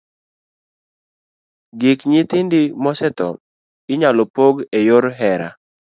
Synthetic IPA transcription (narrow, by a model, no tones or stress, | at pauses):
ɡɪkɲɪt̪ɪndɪmɔsɛt̪ɔ̰ | ɪɲalɔpoɡejoɾɦɛɾa̰